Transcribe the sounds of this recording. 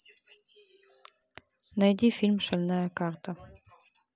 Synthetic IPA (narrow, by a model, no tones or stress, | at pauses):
næjd̪ifʲilʲmʃælʲnæækɑrt̪ə